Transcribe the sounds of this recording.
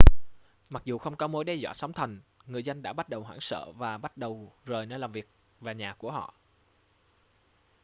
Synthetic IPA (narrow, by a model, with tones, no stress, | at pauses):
ma˨˩k̚zu˨˩xə˧wŋ͡mkɔ˨˦mo˨˦jɗɛ˧zwa̰ː˧˩sa˨˦wŋ͡mt̪ʰə˨˩nŋɨ˨˩əjzə˧nɗa̰ː˧˥ɓa˦˥t̚ɗə˨˩wɦwaː˧˩ŋsə̰ː˧˨vaː˨˩ɓa˦˥t̚ɗə˨˩wzoː˨˩jnəː˧laː˨˩mvi˨˩ək̚ | vaː˨˩ɲaː˨˩ku˧˩əɦɔ̰˧˨ʔ